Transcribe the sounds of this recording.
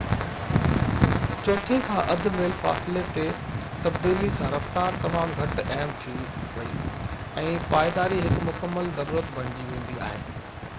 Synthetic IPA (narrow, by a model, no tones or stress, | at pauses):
t͡ɕoːʈʰĩkʰãːʔɐd̪̆ʱmeːlfa̰ːsɪlet̪e | t̪ɐbd̪iːlisãːɾɐft̪aːɾt̪ɐmaːmɡʱɐʈɐɦmt̪ʰiʋɐḭː | ɛ̃ːpaːɪd̪aːɾiɦɪkmʊkəmːəlzɐɾuːɾət̪bʱɐɽ̃d͡ʑiʋẽːn̆d̪ia̰ːɦḛːnɪ̆